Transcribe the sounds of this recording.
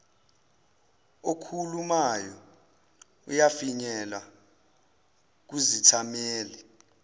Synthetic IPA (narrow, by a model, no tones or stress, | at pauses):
okʰulumajɔ | ujafiɲɛla | k̬uzitʰameːli